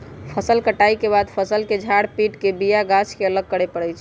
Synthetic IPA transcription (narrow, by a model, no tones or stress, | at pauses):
pʰəsəlkəʈaikebad̪pʰəsəlked͡ʒʱaɽpiʈkebijaɡasʰkeələɡ̚kəɽepəɽɛjt͡ʃʰ